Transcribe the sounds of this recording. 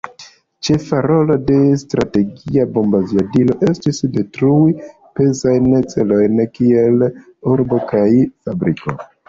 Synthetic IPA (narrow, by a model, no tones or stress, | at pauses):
t͡ʃe̞faɾo̞lo̞de̞stɾate̞ɡiabo̞mbaziadilo̞ʔe̞stisde̞tɾui | pe̞zajnt͡se̞lo̞jnkie̞l | uɾbo̞kajfabɾiko̞̰